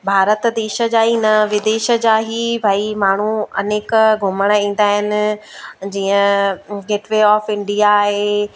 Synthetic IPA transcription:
bʱaːɾət̪d̪eːʃə̆d͡ʑaːɦinɐʋɪd̪eːʃə̆d͡ʑaːɦibʱaːimaːɳ̤uɐ̰neːkɡʱʊməɽ̃əĩːn̆d̪aːɦɪnɪ̆d͡ʑiːə̃ɡeːʈʋeːɔːfɪ̃ɳɖijaːɦeː

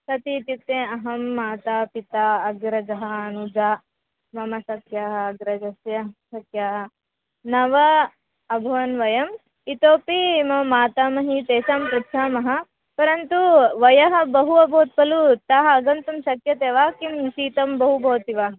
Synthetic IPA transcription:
sɐt̪it̪ip̚t̪ẽːɐɦɐmːaːt̪aːpit̪aːɐɡɾɐd͡ʒɐɦɐɐnud͡ʒaː | mɐmɐsɐkjaːɦɐɐɡɾɐd͡ʒɐsjɐsɐkjaːɦɐ̆ | nɐʋɐ | ɐbʱɐʋɐnʋɐjɐm | it̪oːpimɐmaːt̪aːmɐɦit̪eːʃaːmpɾɐtʃʰaːmɐɦɐ̆ | pɐɾɐnt̪uʋɐjɐɦɐ̆bɐɦuɐbʱoːt̪̚pɐlut̪aːɦɐɐɡɐnt̪umʃɐkjɐt̪eːʋaːkimʃiːt̪ɐmbɐɦubʱoːt̪iʋaː

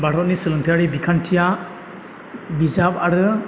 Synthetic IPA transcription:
baɽ̤ɔnisəlɯnt̪ʰijaɽibikʰanʈʰija | bizabaɾɯ

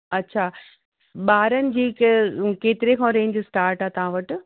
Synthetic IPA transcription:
ɐtːɕʰaː | ɓaːɾənɪ̆d͡ʑiːkkeːt̪ɪɾekʰãːɾẽːnɪd͡ʑisʈaːɾʈaːt̪ɐʋ̤ãʋɐʈɪ̆

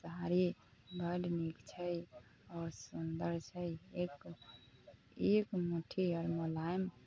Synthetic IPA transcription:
səɦaɾibʱəɖnikt͡ʃʰəɔːɾsund̪əɾt͡ʃʰəek | ekmuʈʰiɔɾmolajm

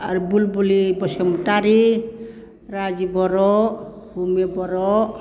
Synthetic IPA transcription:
a̰ɾubulbulibɔsɔmuʈaɾi | ɾad͡ʒibɔɾɔ | humebɔɾɔ

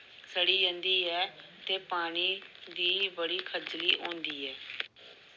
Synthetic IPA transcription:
səɽiːjə̃nd̪iːɛːt̪eːpaːɽ̃iːd̪iːbəɽiːkʰəd͡ʒliːʔõːnd̪iːɛː

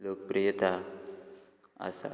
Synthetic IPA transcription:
lok̚pɾəjət̪a | a̰sa̰

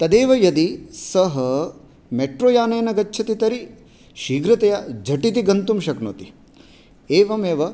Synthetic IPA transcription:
t̪ɐd̪eːʋɐjɐd̪isɐɦɐ | meʈɾoːjaːnɐːnɐɡɐtːt͡ʃʰɐt̪it̪ɐɾi | ʃiːɡɾɐt̪ɐjɐd͡ʒʱɐʈit̪iɡɐnt̪umʃɐkno̰t̪i | eːʋɐmeːʋɐ

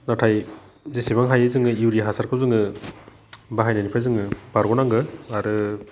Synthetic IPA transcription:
natʰaj | zisibaŋɦajɯzɯŋɯjuwɾijaɦasaɾkʰawzɯŋɯ | baɦajnanipʰajzɯŋɯb̥aɾɡɔnaŋɡɯaɾɯ

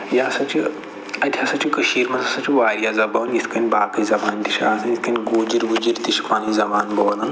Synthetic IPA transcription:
jaːsɐt͡ʃi | ɐt̪ʲʰjasat͡ʃikəʃiːɾmɐzɐsat͡ʃiʋaːɾjazɐbɐːnjisʰkɐnʲbaːkizɐbaːnt̪iʃaːsɐjiskɐnʲɡoːd͡ʒiɾʋud͡ʒiɾt̪iʃpaːnizɐbaːnbɐːlɐn

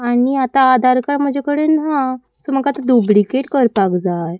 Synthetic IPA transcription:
aɽ̃iat̪aːd̪ʱaɾkaɾm̤əd͡ʑekəɽenɦã | soməkat̪ad̪ubɽikeʈkəɾpakd͡zaj

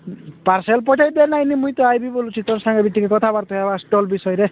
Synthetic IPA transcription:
paɾselpɔʈʰajd̪enajnimũĩt̪ɔajbibolut͡ʃʰit̪ɔɾsaŋɡɔbiʈ̪ːikekɔt̪ʰabaɾt̪uabasʈɔlbisɔjɾe

